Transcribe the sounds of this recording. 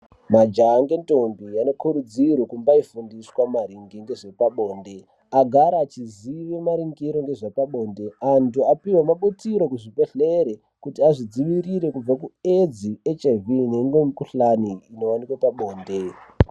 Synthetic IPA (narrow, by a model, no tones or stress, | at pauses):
mad͡ʒaŋɡe̞ntonbijanokuɾud͡zirwekumbaifundiswamaɾiŋɡiŋɡe̞ʐe̞paɓo̞ːnde̞ | aɡʱaɾaːt͡ʃiziʋemaɾiŋɡiɾo̞ŋɡe̞ʐepaɓo̞ːnde̞antuapiwamaɓutiɾo̞kuʐipeɬeɾe | kutiaʐid͡ziʋiriɾe̞kub͡vakued͡ziet͡ʃevineŋɡemikuɬaniːno̞wanikwepaɓo̞ːnde̞